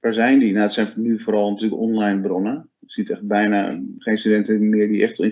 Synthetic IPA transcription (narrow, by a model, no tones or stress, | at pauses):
ʋaːɹzɛjndinadɔtsɛjnnyfoːɾɔlˠnatyːləkɔnlajnbronə | sitɛxt̚bɛjna̰χeːnstydɛntəmɪəɹdiʔɛxtˠɪ